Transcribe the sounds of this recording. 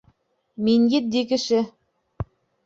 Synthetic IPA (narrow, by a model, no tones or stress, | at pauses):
minjɘt̪̚d̪ikɘ̆ʃɘ